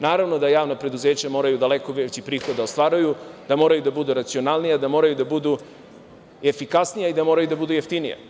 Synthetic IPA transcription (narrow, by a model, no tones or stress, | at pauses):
naːɾaʋno̞d̪ajaːʋnapɾe̞d̪uzeːt͡ɕamo̞ːɾajud̪aleko̞ʋet͡ɕipɾiːxo̞d̪aost̪ʋaːɾujud̪̥amo̞ːɾajud̪abud̪uɾat̪sio̞nalˠnijad̪amo̞ɾajud̪abud̪u | e̞fikasnijaid̪amo̞ːɾajud̪abud̪ujeft̪inija̰